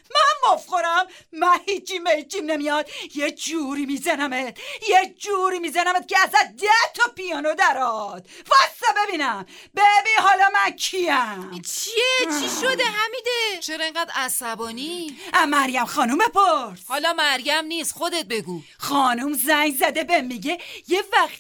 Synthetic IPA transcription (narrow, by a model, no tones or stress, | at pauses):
mæmbofxoɾæmːænhiːt͡ʃʰimet͡ʃimnemijɒd̪jed͡ʒuɾiːmizænæmet̪jed͡ʒuːɾiːmiːzænæmet̪̚ceæzæt̪̚d̪æt̪ʰɒpijɒːnod̪æɾɒd̪̥̚væsebebiːnæmbebinhɒːlɒːmænkʰiæt͡ʃʰiet͡ʃʰiʃod̪eɦæmid̪et͡ʃʰeɾɒeŋɡɢæd̪æsæbɒːniʔæmæɾjæmxɒːnumepʰoɾshɒːlɒːmæɾjæmniːst̪xod̪et̪̚be̞ɡuː | xɒːnumzæŋɡzæd̪ebemiɟejevæxt̪